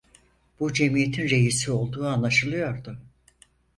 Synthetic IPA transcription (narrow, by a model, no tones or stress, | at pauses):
b̥ud͡ʒe̞mije̞t̪ʰinɾe̞jisio̞lˠd̪uːanlˠaʃɯlˠɯjo̞ɾd̪ʊ